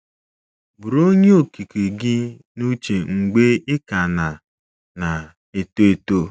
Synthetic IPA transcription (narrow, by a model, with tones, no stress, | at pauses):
bʊ˨ɾo˦ɲe˦o˨ki˨ki˨ɡɪ˦ | nu˦t͡ʃe˨ŋ̩˨ɡ͡be˦ɪ˦ka˨na˨ | na˨ | e˨to˦e˨to˦